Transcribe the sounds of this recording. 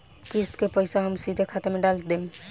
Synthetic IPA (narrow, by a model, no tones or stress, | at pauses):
kist̪kepəɪsaɦəmsid̪ʱekʰat̪emeɖald̪em